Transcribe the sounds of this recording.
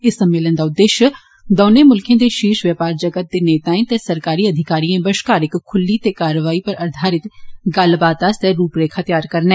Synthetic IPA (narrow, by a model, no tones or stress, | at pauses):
ɪsəmːeːlənd̪aːʊd̪ːeːʃjə | d̪oːneːmʊlkʰẽːd̪eːʃiːʃʋjəpaːɾd͡ʒəɡət̪̚d̪eːneːt̪aːẽːt̪ɛːsəɾkaːɾiːəd̪ʱɪkaːɾiẽːbəʃkaːɾɪkkʰːʊlːiːt̪eːkaːɾəʋaːiːpəɾəɾd̪ʱaːɾɪt̪ɡəlbaːt̪aːsɛːɾuːpɾeːkʰaːt̪jaːɾkəɾnɛː